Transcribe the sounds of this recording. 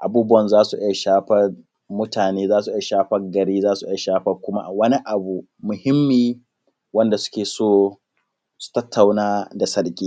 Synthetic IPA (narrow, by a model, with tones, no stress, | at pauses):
ʔa˨buː˦bʊ˦wɐ˨nzaː˦su˨ʔɪ˦ja˨ʃaː˦ɸɐ˦r | mʊ˦taː˨neː˦zaː˦su˨ʔɪ˦ja˨ʃaː˦ɸɐ˦ɡɐ˨ɽiː˦zaː˦su˨ʔɪ˦ja˨ʃaː˦ɸɐ˦kʷʊ˦ma̰˦wɐ˦ni˦ʔa˨bu˨ | mʊ˨hɪ˦mːiː˦ | wɐ˦nda˨sʊ̥˦kʲeː˨soː˦ | su̥˨tɐ˦tʰːa˨wnaː˦da˨sɐ˦ɽkʲʼiː˦